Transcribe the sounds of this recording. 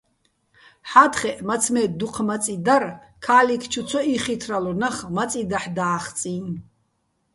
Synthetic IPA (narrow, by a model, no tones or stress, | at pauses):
ħat̪ʰχɛʔmat͡sʰmɛd̪uqʰmat͡sʼid̪ar | kʰaːlikʰt͡ʃʰut͡sʰɔiχit̪ʰralɔnaχmat͡sʼid̪aħd̪aːχt͡sʼin